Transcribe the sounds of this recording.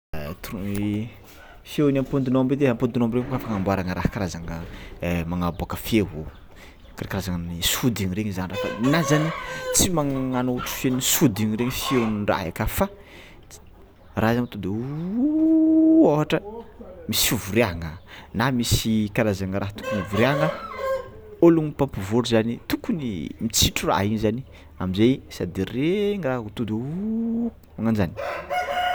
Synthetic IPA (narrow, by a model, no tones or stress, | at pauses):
t̪uru | fewnampund̪inombed̪eampund̪inombiɾeŋkafaŋambuaɾaŋəɾahkaɾazaŋəmaŋabakəfeɦo | kaɾekaɾazaŋənisud̪iɲiɾeɲizanirafa̰nazanit͡simaŋŋanoʈ͡ʂu̥fenisud̪iɲiɾeɲifiewnra̰ɦḛkafa | rʔazamt̪ud̪ | oɦaʈ͡ʂəmisfuvuɾiaŋənamisikaɾazaŋəɾaɦt̪u̥kunuvuɾiaŋə | oluŋipampuvoɾuzanit̪ukunimit͡siʈ͡ʂura̰ɦiɲizani | amizejsad̪ereŋraɦut̪ud̪eu | maŋand͡ʒani̥